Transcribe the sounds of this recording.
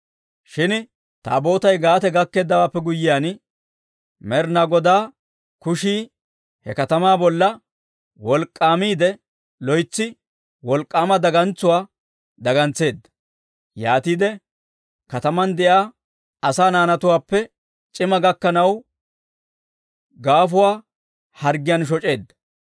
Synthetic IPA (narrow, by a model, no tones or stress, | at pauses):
ʃɪn | t̪a̰ːbo̞ːt̪ɐjɡaːt̪ɛɡɐkːe̞ːd̪ːɐwaːpːɛɡʊjːɪjaːn | mɛɾnaɡɔd̪aː | kʊʃiː | hɛ̰kɐt̪ɐmaːbɔlːɐ | wɔlkʼːaːmiːd̪ɛ | lɔjt͡sːɪ | wɔlkʼːaːmɐd̪ɐɡɐnt͡sːʊwaː | d̪ɐɡɐnt͡sːe̞ːd̪ːɐ̥ | jaːt̪iːd̪ɛ | kɐt̪ɐmɐnd̪ɛʔaː | ɐsaːnaːnɐt̪ʊwaːpːɛ | t͡ʃʼɪmɐɡɐkːɐnɐw | ɡaːfʊwaː | hɐɾɡɪjɐnʃ̬ɔt͡ʃʼe̞ːd̪ːɐ̥